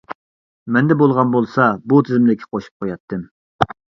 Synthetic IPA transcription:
mɛnd̪ɛbolˠʁɑnbolˠsɑbut̪ʰɪzmd̪ɪkʲʰːɪ̥qʰoʃu̥p̚qʰojɑt̪ʰːɨm

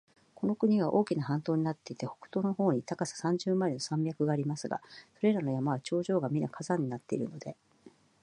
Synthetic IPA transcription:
ko̞no̞kɯ̟ɲ̟iɡaʔo̞ːkʲinaɦãnt̪o̞ːɲ̟inat̪ːe̞it̪eho̞̥kɯ̟̥t̪o̞ːno̞ho̞ːɲ̟it̪akasḁsãɲ̟d͡ʑɨːmaeno̞sãmbʲjakɯ̟ɡaːɾʲimasɨɡa̰so̞ɾe̞ɾano̞jamaβat͡ɕo̞ːʑo̞ːɡamʲinakʰazãɲ̟ːinat̪ːe̞ḭɾɯ̟̰no̞d̪e̞

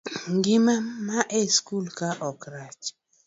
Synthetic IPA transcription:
ŋɡɪmamaʔeskulkaʔɔkɾat͡ʃ

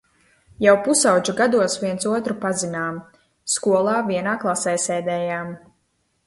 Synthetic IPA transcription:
jawpusawd͡ʒuɡad̪uɔsviɛnt̪suɔt̪ɾupazinaːm | skuɔlˠaːviɛnaːklˠasɛːsɛːd̪ɛːjaːm

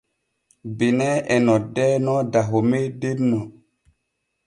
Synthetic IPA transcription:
benɛɛnɔdɛnɔdaɦomedenɔ

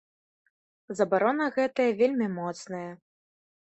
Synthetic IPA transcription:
zɐbaɾɔnɐɣɛt̪ɐjɐvʲelʲmʲimɔt̪snɐjɐ

